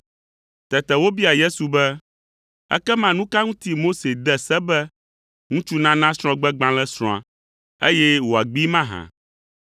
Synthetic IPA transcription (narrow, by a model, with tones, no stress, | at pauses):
t̪ɛ˨t̪ɛ˨wo˦bi˦a˨je˦su˨bɛ˦ | ɛ̰˦kɛ˦mã˦nũ˦ka˦ŋũ˦t̪i˦mo˦se˨d̪ɛ˦sɛ˦bɛ˦ | ŋũ˦t͡ʃu˦nã˦nã˦sɾ̃ɔ̃˦ɡ͡bɛ˦ɡ͡bã˦lɛ˦sɾ̃ɔ̃˨a˨ | ḛ˦jɛ˦wo˨a˨ɡ͡bi˦mã˦ɦã̰˨